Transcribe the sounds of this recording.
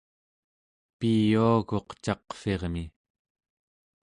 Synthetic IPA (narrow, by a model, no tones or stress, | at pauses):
pijuaɣo̞qt͡ʃɑqfe̞ʁmi